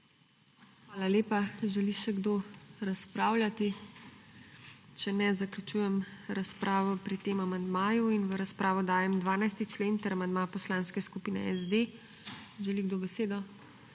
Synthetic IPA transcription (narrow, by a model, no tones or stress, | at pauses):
xʋaːlaleːpaʒɛliʃɛɡd̪oɾaspɾaːwlʲjʲat̪i | t͡ʃɛnɛzaklʲjut͡ʃuːjɛmɾaspɾʔaːʋɔpɾit̪eːmamand̪maːjuinʋəɾaspɾʔaːʋɔd̪aːjɛmd̪ʋaːnajst̪it͡ʃleːnt̪ɛɾamand̪mapɔslanskɛskupiːnɛɛzd̪e | ʒɛliɡd̪obɛseːd̪ɔ